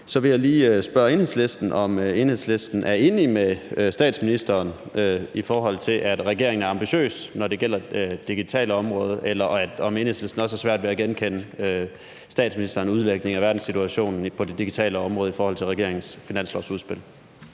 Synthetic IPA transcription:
sɒ̽ʋe̝jaɪliːøsb̥ɶɐe̝ːnhe̝ðˠsle̝sd̥n̩ɒ̽møe̝nhe̝sle̝sd̥n̩ʔæɐe̝ːnimesd̥ɛ̰ːd̥sminisd̥ɐːnøifɒːɦɒ̽l̰t͡sʰe̝lʔæd̥ʁɛɡ̥e̝ɐeŋnæɐɑ̈mb̥iɕø̰ːsnɒde̝ɡ̥el̰ɐd̥iɡ̥it͡sʰɛ̰ːləɒ̽mʁɔ̽ːð̞ˠʔelɐɒ̽me̝nhesle̝sd̥n̩ɒ̽sæɐsʋæɐd̥ʋe̝æɡ̥enkʰen̰əø | sd̥ɛ̰ːd̥sminisd̥ɐːnuð̞ˠleɡ̥̚ne̝ŋæʋæɐd̥n̩sit͡sʰuæɕo̝̰ːnn̩pʰɒ̽d̥e̝d̥iɡ̥it͡sʰɛ̰ːləɒ̽mʁɔ̽ːðˠifɒːhɒ̽l̰t͡sʰe̝ʁɛɡ̥e̝ɐ̰e̝ŋn̩sfinæn̰slɒʊsuðˠsb̥e̝l̰

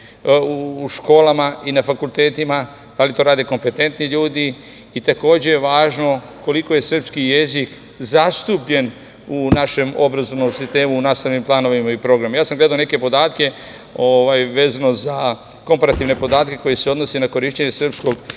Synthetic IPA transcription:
uːʃko̞ːlamaʔinafakulˠt̪e̞ːt̪ima | d̪alit̪o̞ɾaːd̪e̞ko̞mpe̞t̪e̞nt̪niʎuːd̪iː | t̪ako̞ːd͡ʑe̞jeʋaːʒno̞ | ko̞liko̞je̞sr̩pskije̞zik | zast̪upʎe̞n | unaʃe̞mo̞̰bɾazoʋno̞msist̪e̞ːmuːnaːst̪aʋnimplˠaːno̞ʋimaipɾo̞ɡɾamjaːsamɡle̞d̪aoneke̞po̞d̪aːt̪ke̞ | oʋajʋe̞ːzanoza | ko̞mpaɾat̪iʋne̞po̞d̪aːt̪ke̞ko̞jeseo̞d̪no̞senako̞ɾiʃt͡ɕeɲe̞sr̩psko̞ɡ

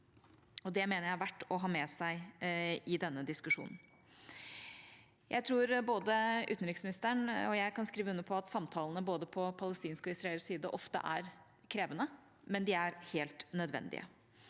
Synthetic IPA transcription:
ɔd̪ɛmeːnəɾjæɪɑʋæʈːɔɦɑːmɛːsæɪɪd̪ɛnːəd̪ɪskʉʂṵːnn̩ | jʔæ̰ɪt̪ʰɾuːɾboːd̪əʔʉ̰t̪n̩ɾɪksmɪnɪst̪əɳɔjæɪkʰɑnskɾiːʋəʉnːəpʰɔɑt̪sɑmt̪ʰɑːlˠənəboːd̪əpʰɔpʰɑləst̪iːnskɔɪsɾɑɛlsiːd̪əʔɔft̪ə̰ʔæ̰ɾ | kʰɾeːʋənə | mɛnd̪ɪæɾheːlt̪nœd̪ʋɛ̰nd̪ɪ̰ʔə̰

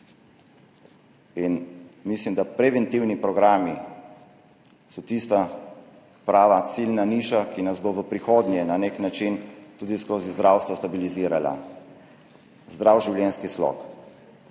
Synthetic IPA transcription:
inmislimd̪apɾɛʋɛnt̪iwnipɾɔɡɾaːmi | sɔt̪ist̪a | pɾaːʋasilnaniːʃakinazboʋəpɾixoːd̪njɛnaneknat͡ʃint̪uːd̪iskoːzizd̪ɾaːwst̪ʋɔst̪abiliziːɾala̰ | zd̪ɾawʒiwljɛnskislɔ̰k

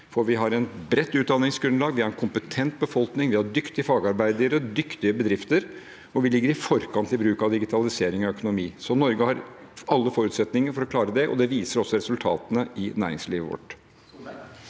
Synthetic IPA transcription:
fɔɾʋɪɦɑɾɛnbɾɛt̪ːʉːt̪̚d̪ɑnɪŋsɡɾʉnlɑːɡʋɪhɑɾɛnkʰʊmpət̪ʰɛnt̪̚bəfɔlknɪŋʋɪhɑɖʏkt̪ɪəfɑːɡɑɾbæɪd̪əɾəd̪ʏkt̪ɪəbəd̪ɾɪft̪əɾ | ɔʋɪlɪɡːəɾɪfɔɾkʰɑnt̪ʰɪbɾʉːkɑʋd̪ɪɡɪt̪ʰɑlɪseːɾɪŋɔœkʊnʊmiːsɔnɔɾɡəhɑɾɑlːəfɔɾʉːt̪sɛt̪nɪŋəɾfɔɾɔklɑːɾəd̪ɛʔɔ̰d̪ɛʋiːsəɾɔsːɔɾɛsʉlt̪ʰɑ̰ːt̪ənəɪnæ̰ːɾɪ̰ŋsliːʋəʋɔ̰ʈː

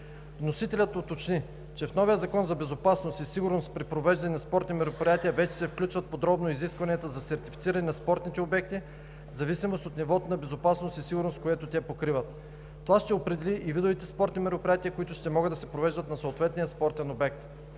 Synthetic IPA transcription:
vnosit̪ɛlʲət̪ot̪ot͡ʃni | t͡ʃɛfnɔvijəzɐkɔnzɐbɛzopasnost̪isiɡʊɾnost̪pɾipɾovɛʒd̪ɐnɛnɐspɔɾt̪nimɛɾopɾʲijat̪iəvɛt͡ʃɛ̥sɛfklʲut͡ʃvət̪̚pod̪ɾɔbnoiziskvɐniət̪əzɐsɛɾt̪i̥fit̪siɾɐnɛnɐspɔɾt̪nit̪ɛobɛk̚t̪i | zɐvisimost̪ot̪nivɔt̪onɐbɛzopasnost̪isiɡʊɾnost̪koɛt̪ot̪ʲɛpokɾivət̪ː | ovaʃt̪ɛopɾɛd̪ɛlʲiʔivid̪ovit̪ɛspɔɾt̪nimɛɾopɾʲijat̪ʲiəkoit̪ʊʃt̪ɛmɔɡɤd̪ɐsɛpɾovɛʒd̪ət̪nɐsoːt̪vɛt̪nijəspɔɾt̪ɛnobɛk̚t̪

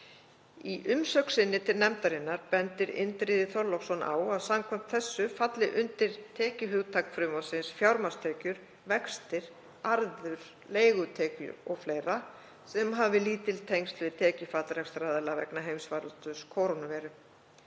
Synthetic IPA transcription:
iʔʏmsœksɪnːɪt̪ʰɪlnɛmt̪aɾɪnːaɾpɛnt̪ɪɾɪ̰nt̪ɾiːðɪθɔɾlɔksɔnʔa̰ːwaðsamkʰɛm̥t̪θɛsːʏfat̪lɪʔʏnt̪ɪɾ̥t̪ʰɛːcɪɦʏɣt̪ʰakfɾʏmɔsɪnsfjawɾmast̪ʰɛːcʏɾ̥ | vɛkst̪ɪɾ̥ | aɾðʏɾ̥ | leːjɣʏt̪ʰɛːcʏ̰ɔɣfleːjɾa | sɛmɦaːvɪliːt̪ɪlt̪ʰejŋst̪lvɪt̪ʰɛːcɪfaːt̪lɾɛkst̪ɾaːðɛlavɛ̰knaɦejmsvaːɾʏt̪ʏskʰoːwɾonʏvɛːɾʏ

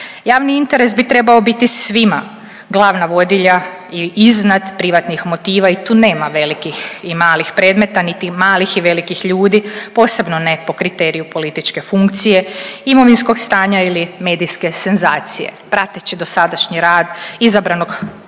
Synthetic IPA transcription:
jaːʋniint̪e̞ɾe̞sbit̪ɾe̞bao̞bit̪isʋima | ɡlˠaːʋnaʋo̞d̪iʎa | iiznad̪pɾiʋat̪nixmo̞t̪iːʋait̪uːne̞ːmaʋe̞likiximaːlixpɾe̞ːd̪me̞t̪anit̪imaːlixiʋe̞likixʎuːd̪ipo̞ːse̞bno̞ne̞po̞kɾit̪eɾijupo̞lit̪it͡ʃke̞fuŋkt̪sije̞imo̞ʋinsko̞ɡst̪aːɲailime̞ːd̪iske̞senzaːt̪sije̞̰pɾat̪et͡ɕɛd̪o̞sad̪aʃɲiɾaːd̪izabɾano̞ɡ

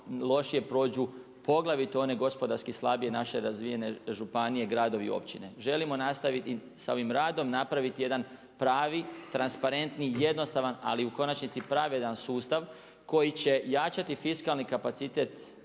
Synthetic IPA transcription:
lˠo̞ʃije̞pɾo̞ːd͡ʑu | po̞ɡlˠaʋit̪o̞ne̞ɡo̞spo̞d̪aɾskislˠabije̞naʃe̞ɾazʋije̞ne̞ʒupanijeɡɾaːd̪o̞ʋḭo̰pt͡ɕine̞ʒe̞limo̞nast̪aʋit̪i | sao̞ʋimɾaːd̪o̞mnapɾaʋit̪ije̞d̪an | pɾaːʋit̪ɾanspaɾe̞nt̪nije̞d̪no̞st̪aʋana̰liuko̞nat͡ʃnit̪sipɾaʋe̞d̪ansuːst̪aʋ | ko̞jit͡ɕe̞jaːt͡ʃat̪ifiskalˠnikapat̪sit̪e̞t̪

